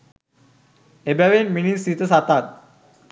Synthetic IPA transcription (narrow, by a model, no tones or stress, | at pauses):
ebɛʋenminisit̪əsat̪at̪̚